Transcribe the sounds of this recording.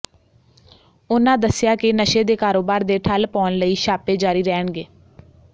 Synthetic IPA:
ʊnãːd̪əsɪjaːkɪnəʃeːd̪eːkaːɾoːbaːɾd̪eːʈʰəlpɔːnləiːʃaːpeːd͡ʒaːɾiːɾɛːəɳɡeː

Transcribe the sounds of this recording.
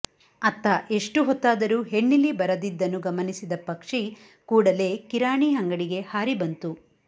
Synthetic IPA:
ɐt̪ːaʔe̞ʂʈuɦɔt̪ːaːd̪ɐɾuːɦeɳːilibɐɾɐd̪id̪ːɐnːuɡɐmɐnisid̪ɐpɐkʂi | kuːɽɐle̞ːkiɾaːɳiɦɐŋɡɐɽiɡe̞haːɾibɐnt̪u

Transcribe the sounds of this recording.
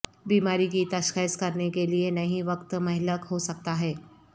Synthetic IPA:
biːmaːɾik̬it̪ɐʃxəskɐɾnekelienɐɦĩʋɐkt̪mɐɦɪləkɦosɐk̚t̪aɦɛː

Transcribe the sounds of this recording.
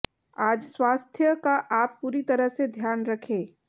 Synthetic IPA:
aːd͡ʒswaːst̪ʰjəkaʔaːpːuːɾit̪ɐɾəɦsed̪ʱjaːnɾɐkʰẽː

